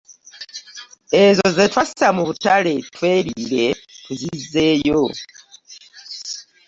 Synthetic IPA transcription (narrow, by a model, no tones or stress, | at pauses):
ezozetwasi̥samuβutale̞twe̞ːɾiɾe̞tuzize̞jo